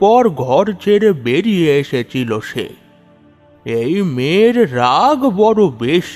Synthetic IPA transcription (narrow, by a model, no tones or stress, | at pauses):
pɔɾɡʱɔɾt͡ʃʰeɾebeɾieʃet͡ʃiloʃḛ | ejmeɾɾaɡbɔɾubeʃ